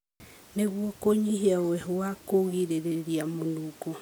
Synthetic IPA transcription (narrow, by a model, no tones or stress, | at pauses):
neɣwɔkoɲiɦiaoɛɦoakoɣiɾeɾeɾiamonuko